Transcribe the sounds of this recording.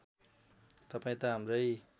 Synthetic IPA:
t̪apajt̪aːmɾɯj

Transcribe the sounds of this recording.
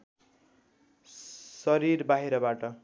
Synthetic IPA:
sʌɾirbaɦiɾʌbaʈʌ

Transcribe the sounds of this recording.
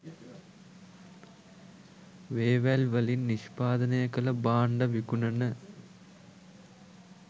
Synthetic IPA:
ʋeːʋælʋɐlinːiʃpaːd̪ɐnejɐkɐlɐbaːɳɖɐʋikunɐnə

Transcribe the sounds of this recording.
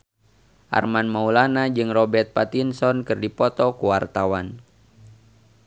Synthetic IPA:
ʔa̰rmanmaulanad͡ʒɨŋrɔbɛrt̪̚pat̪insɔnkɨrdipɔt̪ɔkuwart̪awan

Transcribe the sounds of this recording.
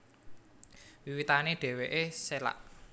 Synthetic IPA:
wiwit̪aneɖ̥ɛ̤weʔesela̰ʔ

